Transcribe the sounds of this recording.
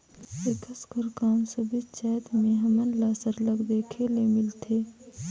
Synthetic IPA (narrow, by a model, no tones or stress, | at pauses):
ɾɪkəskəɾkaːmsɐbʱit͡ʃaːjt̪mẽɦɐmənlaːsəɾlɐɡd̪eːkʰelemɪlt̪ʰeː